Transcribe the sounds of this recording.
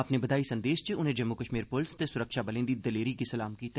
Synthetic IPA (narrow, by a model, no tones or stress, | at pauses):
ɐpnebɐd̪aːisɐ̃nd̪eːʃt͡ʃeʊnɦẽd͡ʒɐmːukəʃmiːɾpʊlst̪esʊɾəkʃabɐlẽːnd̪id̪ɐleːɾikisɐlaːmkiːt̪